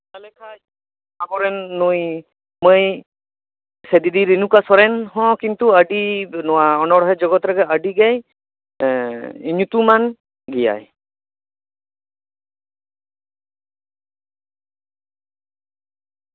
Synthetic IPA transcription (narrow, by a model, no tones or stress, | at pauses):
talɛkʰaj | abɔɾɛnːuj | moj | sɛd̪id̪iɾinukasɔɾɛnɦɔ̃kint̪uaɖinɔwaɔnɔɽɔɦɛd͡ʒɔɡɔt̪ɾɛɡɛaɖiɡɛj | iɲut̪uman | ɡija̰j